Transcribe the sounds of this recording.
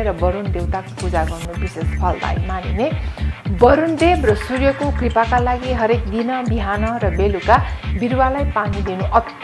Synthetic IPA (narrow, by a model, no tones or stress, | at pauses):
ɾʌbʌɾund̪ewt̪akopud͡zaɡʌrnubisespʰʌld̪a̰jmanḭnebʌɾund̪ebrʌsurjʌkokripakalaɡiɦʌɾek̚d̪inʌbiɦanʌɾʌbelukabiɾwalajpanid̪inuʔʌt̪